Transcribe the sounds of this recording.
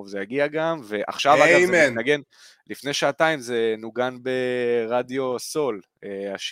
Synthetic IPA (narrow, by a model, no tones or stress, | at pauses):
vzejaɡiaɡamveʔa̰χʃavaamennaɡe̞n | lifne̞jʃaːtaimze̞nuɡanbe̞ʁadjo̞so̞l | eaʃ